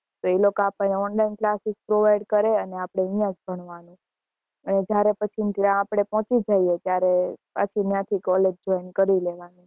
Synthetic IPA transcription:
t̪oelokoapəneɔnlainklasik̚pɾoʋaiɖkəɾeəneapɽ̃eəjãd͡ʒbʱəɳʋanũ | əned͡ʒjaɾepət͡ʃʰinãːpɽ̃epɔ̃t͡ʃid͡ʒaiet̪jaɾepə̰t͡ʃʰinjãt̪ʰikɔled͡ʒd͡ʒɔjnkəɾileʋanĩ

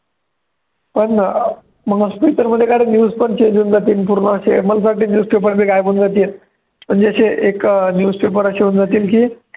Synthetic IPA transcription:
pəɳ | m̤əɡaspit̪əɾm̤əd̪ʱːjekaɽenjuːd͡zpəɳt͡ɕeɲd͡ʑuːnd͡zat̪iːlpuɾɳəəɕḛməlasaʈiːnjuːd͡zpepəɾbeɡajbund͡zat̪iːet̪ | m̤əɳd͡zeəɕeʔeknjuːd͡zpep̬əɾəɕeuːnd͡zat̪iːlkiː

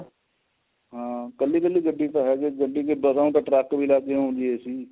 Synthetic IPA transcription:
ɦãːkəlːiːkəlːiːɡəɖːiːt̪aɦɛːɡeɡəɖːiːkebəzaːũt̪ãʈɾɛːkbʱiːlaːɡeɦõːnd̪ieːsiː

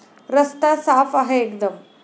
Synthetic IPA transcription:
ɾəst̪asaːfaɦeekd̪əm

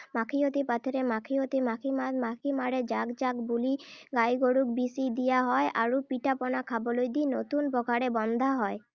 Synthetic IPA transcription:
makʰiot̪ipat̪ʰɔɾemakʰiot̪imakʰiamakʰimaɽed͡ʒaɡd͡ʒaɡbuliɡajɡoɽuk̚bisid̪ijaɦɔeʔaɹupiʈapɔnakʰabɔlojd̪inot̪unpɔɡʱaɽebɔnd̪ʱaɦɔe

